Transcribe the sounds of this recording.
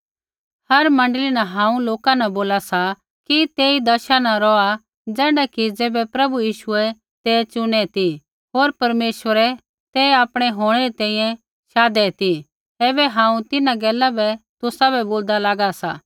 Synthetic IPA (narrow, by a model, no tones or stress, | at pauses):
hɐɾmɐ̃ɳɖlinɐɦãːũloːkanɐ̃boːlasa | kit̪eːid̪ɐʃanaɾɔa | d͡zɛːɽakid͡zeːbɛpɾɐbujiːʃʊɛ | t̪ɛt͡ʃʊɽ̃ɛt̪i | ɦoːɾpɐɾmeːʃʋəɾɛ | t̪ɛaːpɽ̃ɛɦoːɽ̃ɛɾit̪ɛ̃ːĩjɛ̃ | ʃaːd̪ɛt̪i | ɛːbɛɦãːũt̪ɪnãɡɛːlabɛt̪ʊsabɛboːld̪alaːɡasa